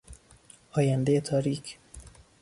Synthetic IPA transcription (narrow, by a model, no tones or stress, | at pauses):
ɒːjænd̪ejet̪ʰɒːɾiːcʰ